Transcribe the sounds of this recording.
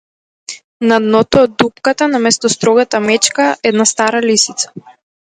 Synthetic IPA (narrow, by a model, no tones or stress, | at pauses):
nad̪nɔt̪ɔːd̪ːup̚kat̪anamɛst̪ɔst̪ɾɔɡat̪amɛt͡ʃkaʔɛd̪nast̪aɾalisit̪sḁ